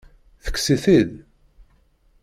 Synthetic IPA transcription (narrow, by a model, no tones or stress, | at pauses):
θə̥kːsiθið